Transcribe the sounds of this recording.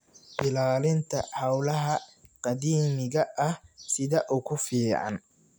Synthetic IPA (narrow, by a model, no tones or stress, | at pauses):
b̥ɪlaːlɪnt̪ʰɐ̰ħɐwlɐɦɐqɑd̪iːmɪɣɐʔɐhsɪðɐʔʊkʰʊfiːʕɑ̰n